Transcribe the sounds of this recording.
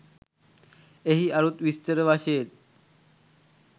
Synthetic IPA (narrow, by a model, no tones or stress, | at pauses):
eɦiːaɾut̪ʋist̪əɾəʋaɕel